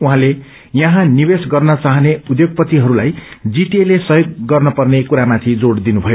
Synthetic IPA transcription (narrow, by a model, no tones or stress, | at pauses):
uɦãle | jʌɦãnibesɡʌrnʌt͡saɦʌneud̪joɡ̚pʌt̪iɦʌɾulajd͡ziʈielesʌjoɡːʌrnʌpʌrnekuɾamat̪ʰĩd͡zoɽd̪inubʱʌjo